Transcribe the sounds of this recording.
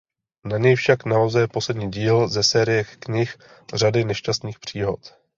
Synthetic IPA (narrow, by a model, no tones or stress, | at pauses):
naɲɛjfʃaknaozɛjɛpo̞slɛdɲiːɟiːlzɛsɛːɾɪjɛkɲɪx | r̝adɪnɛʃcast̪niːxpr̝̥iːɦo̞t̪